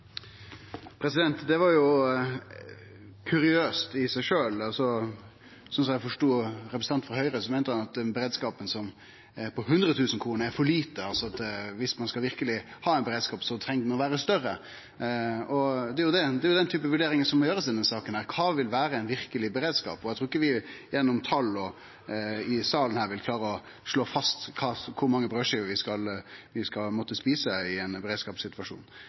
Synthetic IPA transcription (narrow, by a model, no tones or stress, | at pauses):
pʰɾɛsɪd̪ɛnt̪d̪ɛʋɑɾjʊ | kʰʉɾɪøːst̪ɪsæɪʂøːlɑlsɔ | sɔmsɔmjæɪfɔʂʈuːɾɛpɾɛs̩ɑnt̪fɔɾɦœʏɾəsɔmɛɪnəhɑnɑt̪ɛnbəɾeːd̪skɑːpənsɔm | pʰɔɦʉnd̪ɾət̪ʰʉːsn̩kʰɾuːnəɾæɾfɔɭiːt̪əɑlsɔɑt̪ʋɪsmɑnskɑlʋɪɾkəlɪhɑːæɛnbəɾeːd̪skɑːpsɔt̪ʰɾɛŋd̪mɛnɔʋæːɾəst̪œrə | ɔd̪ɛæɾjʊd̪ɛd̪ɛjʊd̪ɛnt̪ʰyːpəʋʉɖeːɾɪŋənsɔmːɔjøːɾəsɪnd̪ɛnsɑːkənhæːɾkʰɑːʋɪlʋæːɾəɛɪnʋɪɾkəlɪbəɾeːd̪skɑ̰ːpɔjæɪt̪ɾuːɪkːəʋɪjɛnːɔmt̪ʰɑlːɔ | ɪsɑːlən̩hæːɾʋɪlkʰlɑːɾəɔ | ʂɭoːfɑst̪kʰɑːkʰʊɾmɑŋːəbɾøːʂiːəʋɪskɑlʋɪskɑlmɔt̪ːəspiːsəɪɛnbəɾeːd̪skɑːpsɪt̪ʋɑʂṵːn